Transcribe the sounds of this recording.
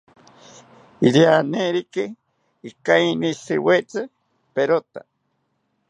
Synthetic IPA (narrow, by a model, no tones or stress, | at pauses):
iɾianeɾikɨ | ikainisɨ̰wet͡sɨ | peɾot̪a̰